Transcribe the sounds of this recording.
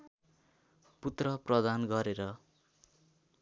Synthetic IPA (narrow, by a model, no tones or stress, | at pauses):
put̪rʌprʌd̪anɡʌɾeɾʌ